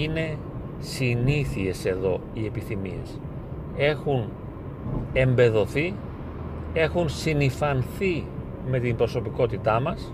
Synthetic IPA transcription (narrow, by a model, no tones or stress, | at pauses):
ine̞ | siniθie̞se̞ðo̞ie̞piθimḭe̞̰s | e̞xun | e̞mbe̞ðo̞θi | e̞xunsinifɐnθi | me̞t̪imbɾo̞so̞piko̞t̪it̪ɐmɐs